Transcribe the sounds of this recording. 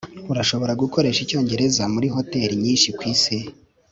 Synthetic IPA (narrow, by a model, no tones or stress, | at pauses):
uɾaʃo̞βo̞ɾaɡuko̞ɾe̞ːʃico̞ːɲɟe̞ɾe̞zamuɾiɦo̞te̞ɾiɲiːnʃikwiːse